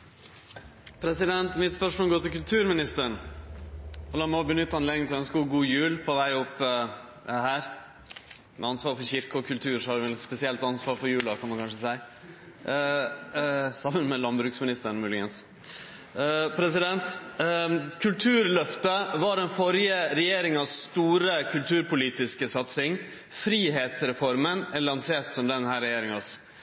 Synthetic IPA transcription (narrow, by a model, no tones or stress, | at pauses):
pʰɾɛsɪd̪ɛnt̪mɪt̪spœʂmoːlɡoːt̪ɪlkʉlt̪ʰʉːɾmɪnɪst̪əɳ | ɔlɑːmɛɔbənʏt̪ːəɑnleːd̪ɪŋt̪ʰlɔœnskəhʊɾɡuːjʉːlpʰɔʋæɪɔpː | hæːɾ | mʔɛ̰ɑnsʋɑːɾfɔɾçɪɾkəɔkʰʉlt̪ʰʉːɾʂɔhɑɾʋ̪spɛsɪɛlt̪ɑnsʋɑːɾfɔɾjʉːlɑkʰɑnd̪ukʰɑnʂəsæɪ | sɑmːənmɛlɑnbɾʉːksmɪnɪst̪əɾnmʉːlɪɡəns | pʰɾɛsɪd̪ɛnt̪ | kʰʉlt̪ʰʉːɾlœft̪əʋɑɖɛnfɔɾjəɾɛjeːɾɪŋɑsːt̪uːɾəkʰʉlt̪ʰʉːɾpʊliːt̪ɪskəsɑt̪sɪŋ | fɾiːɦeːt̪sɾɛfɔɾmənɛlɑnseːt̪sɔmd̪ɛnhæːɾːɛjeːɾɪŋɑs